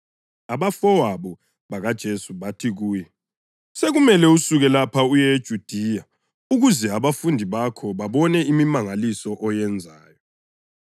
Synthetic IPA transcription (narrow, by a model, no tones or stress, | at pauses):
aβafɔwaβɔ | βaɣad̥ʒ̥ʱesuβatʰiɣuːjɛ | seɣumɛlɛusuɣɛlapʰaujɛd̥ʒ̥ʱud̥ʱiːja | uɣuzɛaβafundʱiβakʰɔβaβɔnɛimimaŋalisɔʔɔjɛnd͡zʱaːjɔ